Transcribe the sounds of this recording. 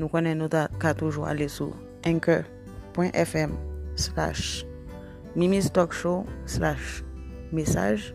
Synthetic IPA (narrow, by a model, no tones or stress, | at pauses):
nũkõnɛ̃nũt̪akat̪uʒua̰lesṵ | ɛ̃kø | pwɛ̃ʔɛfɛmsla̰ʃ | mimist̪ɔkʃoslaʃmesa̰ʒ